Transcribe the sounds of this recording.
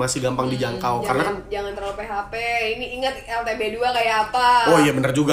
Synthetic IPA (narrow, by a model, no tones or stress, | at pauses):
masɪhɡampaŋdid͡ʒaŋkawkaɾənakand͡ʒaŋant̪ərləpeɦapeiniːŋət̪̚ɛlt̪ebeduakajaːpaojabənərd͡ʒuɡa